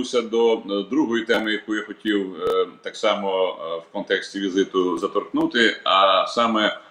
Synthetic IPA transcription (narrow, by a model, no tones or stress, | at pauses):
usʲɐd̪ɔd̪ɾuɦɔjit̪ɛmɪjɐkujaxɔtʲiwt̪ɑksɑmɔwkɔnt̪ɛksʲtʲiʋʲizɪt̪ʊzɐt̪ɔrknut̪ɪɐsɑmɛ